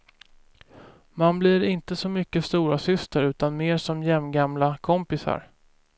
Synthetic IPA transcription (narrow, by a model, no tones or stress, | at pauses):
manblɪɾɪnt̪əsɔmʏkːəst̪uːɾasʏst̪əɾʉ̟ːt̪anmeːʂɔmjɛmɡamlakʰɔmpɪsa̰ɾ